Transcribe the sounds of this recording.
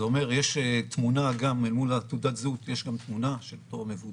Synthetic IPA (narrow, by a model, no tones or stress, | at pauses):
eo̞me̞ʁjeʃet̪munaɡammulat̪ud̪at̪zut̪jeʃɡamt̪munaʃelot̪oamevu